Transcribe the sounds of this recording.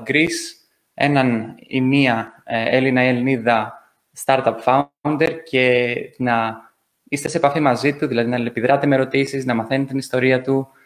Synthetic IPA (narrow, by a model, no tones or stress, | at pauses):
ɡɾis | e̞̰nɐnḭmiɐelinɐieliniðɐ | st̪ɐɾt̪ɐpfɐuund̪eɾce̞nɐ | ist̪e̞sepɐfimɐzit̪uðilɐðinɐpiðɾɐt̪e̞meɾo̞t̪isiznɐmɐθenet̪inist̪o̞ɾiɐt̪u